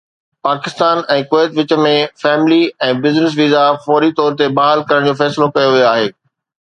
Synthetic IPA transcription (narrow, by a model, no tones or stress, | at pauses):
paːkɪst̪aːnɛ̃ːkʊeːt̪ʋɪt͡ɕə̆mẽfɛːmɪliɛ̃ːbɪznɪs̬ʋiːzafɔːɾit̪ɔːɾt̪ebaːɦalkɐɾəɽ̃d͡ʑoːfɛːsɪlokɐjoʋijoaːɦeː